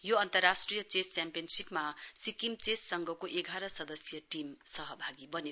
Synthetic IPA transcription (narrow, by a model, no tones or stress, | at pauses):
joʌnt̪ʌɾːasʈɾijʌt͡ʃest͡ʃampijʌnsipmasikimt͡sessʌŋɡʱʌkoʔeɡʱaɾʌsʌd̪ʌsjʌʈimsʌɦʌbʱaɡibʌne